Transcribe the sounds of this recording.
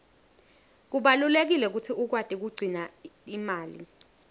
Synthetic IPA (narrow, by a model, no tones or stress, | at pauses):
k̬uɓalulek̬ilɛk̬utʰiʔuk̬wad̥ʼʱik̬uɡ͡ǀʱinaimaːlḭ